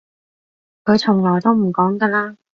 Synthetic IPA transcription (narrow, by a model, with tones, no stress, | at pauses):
kʰɵ˨˧ɥt͡sʰʊ˨˩ŋlɔː˨˩jt̪o˥wm̩˨˩kɔː˨˥ŋk̪ɐ˧laː˥